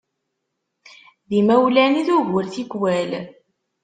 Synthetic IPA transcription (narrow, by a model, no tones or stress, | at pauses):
ðimæwlæniðʊʝəɾθikwæl